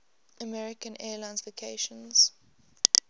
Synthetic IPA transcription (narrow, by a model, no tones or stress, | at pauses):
əmɛɹɪkə̃nʔɛːlãɪ̃nzlokʰeɪʃə̃nz̥